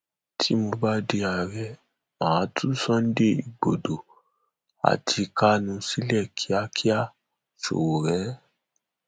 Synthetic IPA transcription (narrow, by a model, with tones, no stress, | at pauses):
tʰi˦mõ˧ba˦de˧a˨ɾɛ˧ | mãː˨˦tʰu˦sɔ̃˦n̩˦de˦ḭ˨ɡ͡bo˨do˨ | a̰˨tʰi˧ka˦nũ˧si˦lɛ˦˨kʰi˨˦a˧kʰi˦a˦˨ | ʃo̰˨wo˨ɾɛ˨˦